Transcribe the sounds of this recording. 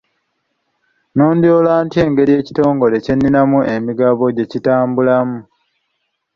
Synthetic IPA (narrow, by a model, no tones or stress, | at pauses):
noːnd̪joːlaːntie̞ːŋɡe̞ɾije̞ːci̥to̞ːŋɡo̞le̞ce̞nːinamue̞miɡaβo̞ɟe̞citaːmbulamu